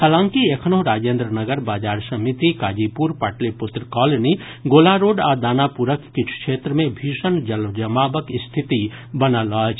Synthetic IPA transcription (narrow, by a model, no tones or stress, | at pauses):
həlãːŋkiekʰnoːɾaːd͡ʒeːnd̪ɾənəɡəɾbaːd͡ʒaːɾsɐmit̪ikaːd͡ʒiːpuːɾpaːʈlepʊt̪ɾəkɔːloni | ɡoːlaɾoːɖaːd̪aːnapuɾəkːɪt͡ʃʰu̥kʃeːt̪ɾəmẽbʱiːʃənd͡ʒəld͡ʒəmaːbəkɪst̪ʰɪt̪i | bɐnalɔːt͡ʃ